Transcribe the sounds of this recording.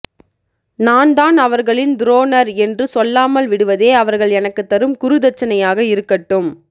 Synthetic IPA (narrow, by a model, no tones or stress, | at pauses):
naːnd̪aːnɐʋɐɾɣɐɭɪnd̪ɾoːnɐɾɛndrɯsɔlːaːmɐlʋɪɽɯʋɐðeːɐʋɐɾɣɐɭɛnɐkːɯt̪ːɐɾɯmkʊɾɯðɐt͡ʃːɐnɐjaːɣɐɪɾɯkːɐʈːɯm